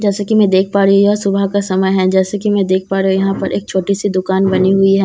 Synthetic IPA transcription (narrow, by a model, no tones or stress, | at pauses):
d͡ʒɛːsakimɛ̃d̪eːk̚ʰpaːɾiɦujɔːɾsʊbʱakasɐməjɦɛ̃d͡ʒɛːsakimɛ̃d̪eːk̚ʰpaːɾeɦujɐɦãpɐɾʔḛːk̚t͡ʃʰoːʈisid̪ʊkaːnbɐniɦʊiɦɛː